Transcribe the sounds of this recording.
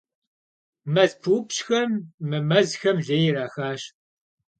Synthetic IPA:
mɐzpʰuːpɕxɐmːɨmɐzxɐmʒɐjɾaːxaːɕ

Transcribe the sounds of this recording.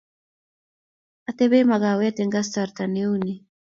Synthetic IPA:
at̪ebemaɣawet̪eŋɡas̬t̪aɾt̪aniwni

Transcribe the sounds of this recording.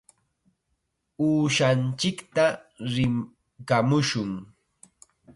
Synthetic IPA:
uːʃant͡ʃɪkt̪aɾɪ | kamʊʃʊŋ

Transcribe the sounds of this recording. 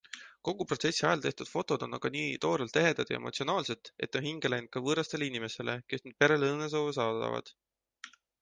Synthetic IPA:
ko̞ɡ̥upro̞t̪sesʲːiɑjɑlt̪e̞ht̪ud̪̥fo̞t̪ːˑo̞d̪̥o̞nːɑɡ̥ɑniːt̪o̞ːɾelt̪ːe̞ɦe̞nd̪̥ɑd̪jɑ̰emʔo̞t̪sionɑːlse̞t̪ːˑe̞t̪ːˑohiŋɡ̥elejnt̪̚kɑvɤːɾɑst̪e̞leinime̞se̞le̞ke̞snyd̥̪̚pe̞ɾe̞leɤnːes̬o̞ːvesɑːd̪ɑ̰vɑ̰d̪̥

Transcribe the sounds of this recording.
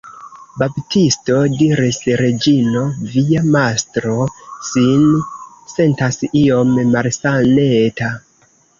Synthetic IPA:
baptisto̞diɾisɾe̞d͡ʒino̞viamastɾo̞sin | se̞ntasio̞mːalsane̞ta

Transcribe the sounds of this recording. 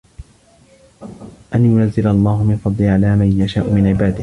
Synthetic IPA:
ʔanjʊnazːɪlʔɑlˤːɑːhʊmɪnfɑd̪ˤliʕalaːmajjaʃaːʔʊmɪnʕɪbaːd̪ɪh

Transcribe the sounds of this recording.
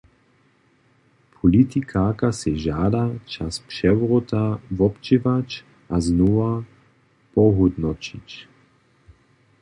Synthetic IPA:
pʰɔlit̪ikʰaːkasɛʒaːdat͡ʃaspʃɛvʁɔt̪avɔpt͡ʃevat͡ʃ | ʔaznoa | pɔɦɔd̪nɔt͡ʃḭt͡ʃ

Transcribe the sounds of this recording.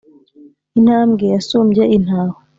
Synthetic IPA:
in̥haːmɡejasuːmɟeʔin̥haːho

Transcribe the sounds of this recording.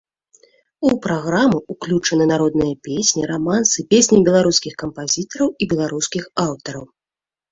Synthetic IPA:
upɾaɣɾamɨuklʲut͡ʂɐnɨnaɾɔd̪nɨjɐpʲesʲnʲiɾamansɨpʲesʲnʲijbʲɛlˠaɾuskʲixkɐmpazʲit̪ɐɾɐwibʲɛlˠaɾuskʲixawt̪ɐɾɐw

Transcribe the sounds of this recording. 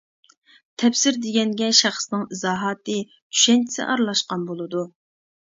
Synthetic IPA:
t̪ʰɛpsɪɾd̪eɡʲɛnɡʲɛʃɑχsnɨŋizɑːɦɑːt̪ɨ | t͡ʃʰy̥ʃɛnt͡ʃʰi̥sɪ̰ʔɑɾlˠɑʃqɑnbolˠɨd̪u

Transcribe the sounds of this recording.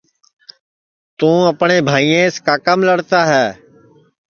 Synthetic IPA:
t̪ũːəpɳeːbʱaːiːẽːskaːkəmləɽt̪aːɦɛː

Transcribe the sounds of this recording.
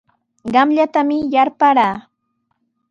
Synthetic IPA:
ɢɑmʎat̪amɪjaɾpaɾaː

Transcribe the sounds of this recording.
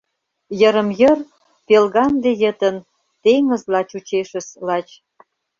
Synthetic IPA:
jəɾə̆mjər | pelɣɑnd̪ejət̪ən | t̪eŋə̆zlɑt͡ɕut͡ɕeʃə̆slɑt͡ɕ

